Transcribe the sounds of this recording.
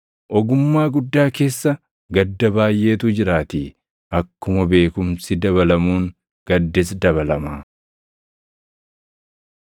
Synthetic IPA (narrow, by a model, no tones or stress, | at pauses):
ʔɔɡʊmːaːɡʊd̪ːaːke̞ːsːɐ | ɡɐd̪ːɐbaːjʔe̞ːt̪ʊd͡ʒɪɾaːt̪i | ʔɐkːʊmɐbe̞ːkʊmsɪd̪ɐβɐlɐmuːŋ | ɡ̥ɐd̪ːɛs̬d̪ɐβɐlɐmaː